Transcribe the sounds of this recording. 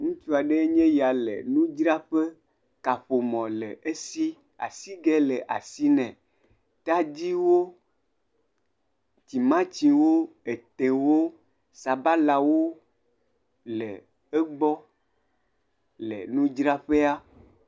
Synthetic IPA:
ŋũ˦t͡ʃu˦a˨ɖe˦ɲɛ̃˦ja˨lḛ˨nũ˦d͡ʒɾa˦ɸe˦ | ka˨ɸo˨mɔ̃˨lḛ˨ʔe˦si˦ | a̰˨si˦ɡɛ˦le˨ʔa̰˨si˦nɛ̃˨ | t̪a˦d͡ʑi˦wo˦ | ti˨mã˦t͡ɕi˨wo˦ | e˨t̪e˨wo˦ | sa˨ba˦la˨wo˦ | lɛ̰˨ | e˦ɡ͡bɔ˦ | lḛ˨nũ˦d͡ʒɾa˦ɸe˦a˦

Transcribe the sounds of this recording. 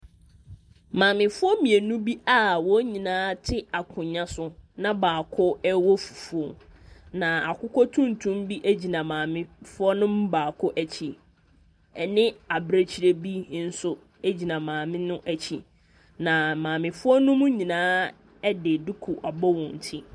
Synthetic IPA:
mãː˨mɪ̃˨fʊ˦ɔ˦mĩ˨e˨nũ˦bi˦ʔa˦˨wɔ˦ɲĩ˨nãː˦tʰɪ˦a˨kʰʊ̃˨ɲã˦sʊ˦nã˦baː˨kʰʊ˦ɛ˦wɔ˦fu̥˨fʊ˦ɔ˦nã˨a˨kʰʊ˦kʰɔ˦tʰũ˦n̩˨tʰũ˦mbi˦ʔæ˦d͡ʑi˨nã˨mãː˨mɪ̃˦fʊ˦ɔ˦nʊ̃˦m˦baː˨kʰʊ˦ʔæ˨t͡ɕʰi˨ | ɛ˨nɪ̃˦a˨bɾe˦t͡ɕʰi˨˦ɾe˦bi˦n̩˦sʊ˦ | e˦d͡ʑi˨nã˨mãː˨mɪ̃˦nʊ̃˦ʔæ˨t͡ɕʰi˨ | nã˨mãː˨mɪ̃˨fʊ˦ɔ˦nʊ̃˦mʊ̃˦ɲĩ˨nãː˦ | ɛ˦dɪ˨dʊ˦kʰʊ˨ʔa˨bɔ˦wɔ̃˨n˨tʰi˦

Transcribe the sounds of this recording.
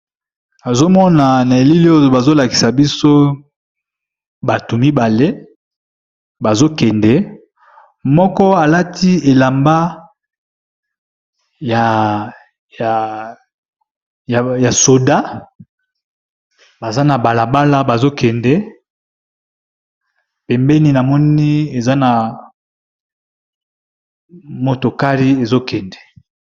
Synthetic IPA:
a˨zo˦mɔ˦na˨na˨e˨li˦li˦o˦o˨ba˨zo˦la˨ki̥˨sa˨bi˦so˦ | ba˨to˨mi˦ba˨le˦ | ba˨zo˦kɛ˨ndɛ˨ | mɔ˦kɔ˦a˨la˦tʰi˦e˨la˨mba˦ | ja˨ | ja˨ | ja˨so˨da˦ | ba˨za˦na˨ba˨la˨ba˦la˦ba˨zo˦kɛ˨ndɛ˦ | pɛ˨mbɛ˦ni˦na˨mɔ˦ni˦e˨za˦na˨ | mo˨to˨ka˦li˦e˨zo˦kɛ˨ndɛ˨

